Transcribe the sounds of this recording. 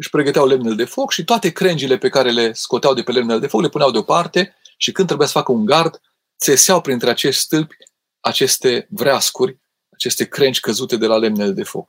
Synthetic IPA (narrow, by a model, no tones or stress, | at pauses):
ɨʃʲpɾe̞ɡət̪eawle̞mneled̪e̞fo̞kʃit̪oat̪e̞kɾe̞nd͡ʒile̞pe̞kaɾe̞le̞sko̞t̪eawd̪e̞pele̞mneled̪e̞fo̞kle̞puneawd̪eo̞part̪e̞ʃikɨnɾebujasə̥fakəuŋɡard̪ | t̪seseawpɾint̪ɾe̞at͡ʃe̞ʃt̪ʲst̪ɨlpʲ | at͡ʃe̞st̪e̞vɾeaskurʲ | at͡ʃe̞st̪e̞kɾe̞nt͡ʃʲkəzut̪e̞d̪e̞lale̞mneled̪e̞fo̞̰k